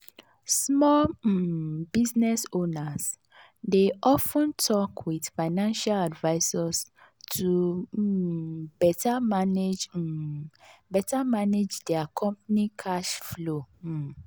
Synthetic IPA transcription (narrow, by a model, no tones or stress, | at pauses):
smɔl | biznɛsonas | deʔɔfə̃ntʰɔkʰwidfaɪnãnʃaladvaɪsas | tʰu | bɛtamaned͡ʒ | bɛtamaned͡ʒdɛakʰɔ̃mpanikʰaʃflo